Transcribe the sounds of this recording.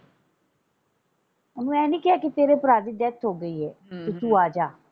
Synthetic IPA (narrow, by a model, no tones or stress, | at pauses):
ʊnũːɛ̃ːnĩːkɪaːkit̪eːɾeːpəɾaːd̪iːd̪ɛːt̪ʰɦoːɡəiːɦɛːt̪et̪uːaːd͡ʒaː